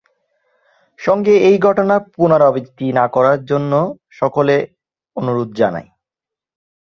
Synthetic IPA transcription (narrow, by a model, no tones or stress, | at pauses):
ʃɔŋɡeejɡʱɔʈonapunaɾɔbik̚t̪inakɔɾaɾd͡ʑonːo | ʃɔkole | onuɾod̪̚d͡ʑana̰j